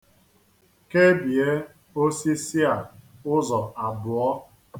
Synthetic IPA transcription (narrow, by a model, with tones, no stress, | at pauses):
ke˦bi˨e˦ | o˦si˦si˦a˨ʊ˦zɔ˨a˨bʊ˨ɔ˦